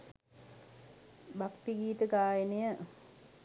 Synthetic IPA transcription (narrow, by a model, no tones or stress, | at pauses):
bakt̪iɡiːt̪əɡaːjənejə